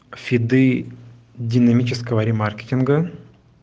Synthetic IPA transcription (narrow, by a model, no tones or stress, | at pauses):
fʲɪd̪ɨ | dʲɪnɐmʲit͡ɕɪskəvəɾʲɪmarkʲɪ̥tʲɪnɡə